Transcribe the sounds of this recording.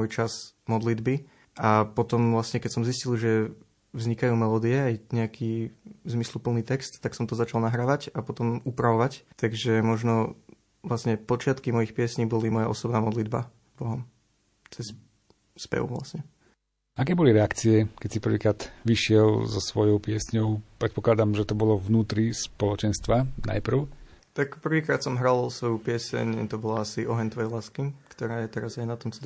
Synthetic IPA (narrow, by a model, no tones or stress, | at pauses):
ɔjt͡ʃazmɔd̪lid̪bi | ʔapɔt̪ɔmʋlasɲɛkɛcsɔmziscilˠʒɛ | vzɲikajuːmɛlɔːd̪iɛajɲɛakʰiːzmislupl̩ˠniːt̪ɛkst̪ːaksɔmt̪ɔzat͡ʃalˠnaɦɾaːʋacapɔt̪ɔmupɾaʋɔʋact̪aɡʒɛmɔʒnɔ | ʋlasɲɛpɔt͡ʃɪat̪kimɔjixpɪɛsɲiːbɔlimɔjaʔɔsɔbnaːmɔd̪lid̪ba̰ | bɔɦɔm | t͡sɛs | spɛ̰ʋṵʋla̰sɲɛ | akɛːbɔliɾɛakt͡siɛkɛsipr̩ʋiːkɾaːd̪̥ʋiʃɪɛlzɔsʋɔjɔʊpɪɛsɲɔʊpɾɛt̪pɔklad̪amʒɛt̪ɔbɔlɔvnuːt̪ɾispɔlɔt͡ʃɛnst̪ʋana̰jpr̩ʊ | t̪akpr̩ʋiːkɾaːt̪sɔmɦɾalsʋɔjupɪɛsɛ̰ɲt̪ɔbɔlaasiʔɔɦɛɲt̪ʋɔjɛjlaːskikt̪ɔɾaːjɛt̪ɛɾazajnat̪ɔmt͡sɛl